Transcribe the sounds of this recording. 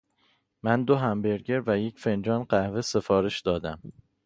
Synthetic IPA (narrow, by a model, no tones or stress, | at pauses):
mænd̪oɦæmbe̞ɾɟe̞ɾvæjecʰfe̞nd͡ʒɒːnɢæhvese̞fɒːɾeʃd̪ɒːd̪æm